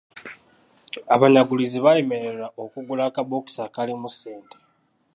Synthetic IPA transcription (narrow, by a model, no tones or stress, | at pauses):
aβaɲaɡuliziβale̞meɾeɾaʔokuɡulakaβoki̥sakalimuseːnte